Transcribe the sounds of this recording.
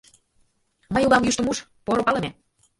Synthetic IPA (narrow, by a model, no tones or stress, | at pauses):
məjulɑmjyʃt̪ə̆muʃ | poɾŏpɑlɤ̆me